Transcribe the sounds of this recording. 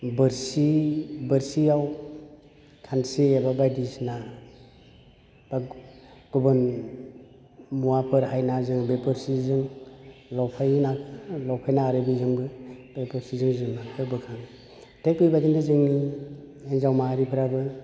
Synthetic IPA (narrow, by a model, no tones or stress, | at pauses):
bɯɾsibɯɾsiaw | kʰanseebabajdisna | b̥aɡ̥ubɯn | muwapʰɯɾɦajnazɯŋbepɯɾsizɯŋlɔpʰajnaklɔwpʰajnaːɾɯbizɯŋbɯbepɯɾsizɯŋzɯŋnakʰɯbɯkʰaŋ | tek̚pijbadindazɯŋni | enzawmaɾipʰɯɾabɯ